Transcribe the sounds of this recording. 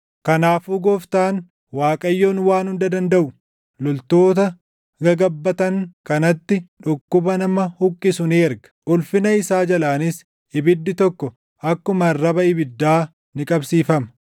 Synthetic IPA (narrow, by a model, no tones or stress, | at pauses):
kɐnaːfuːɡɔft̪aːn | waːkʼɐjːoːnwaːnhʊnd̪ɐd̪ɐnd̪ɐʔʊ | lɔlt̪oːt̪ɐ | ɡɐɡɐbːɐt̪ɐŋkɐnɐt̪ːɪᶑʊkːʊbɐnɐmɐhʊkʼːɪsʊneːɛɾɡɐ̥ʔʊlfɪnɐɪsaːd͡ʒɐlaːnɪs | ɪbɪd̪ːɪt̪ɔkːɔ | ʔɐkːʊmɐrːɐbɐɪbɪd̪ːaː | nɪkʼɐbsiːfɐmɐ